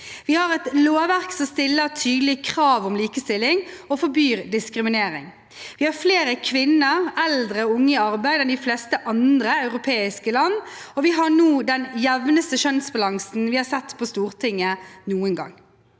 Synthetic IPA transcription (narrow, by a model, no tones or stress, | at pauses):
ʋɪhɑɾɛt̪loːʋæɾksɔmst̪ɪlːət̪ʰyːd̪əlɪkʰʁɑːʋɔmliːkəst̪ɪlːɪŋɔfɔbyːɾd̪ɪskɾɪmɪneːɾɪ̰ŋ | ʋɪhɑɾfleːɾəkʰʋɪnːəɾɛld̪ɾəʊŋːəɑɾbæɪd̪ɛnd̪ɪflɛst̪əʔɑnd̪ɾəɑʉʁʊpʰeːɪskəlɑnːɔʋɪɦɑnuːd̪ɛnjɛʋnəst̪əʃœnsbɑlɑŋsn̩ʋɪhɑsɛt̪ːpʰɔst̪uːɾt̪ʰɪŋːənuːənɡɑ̰ŋː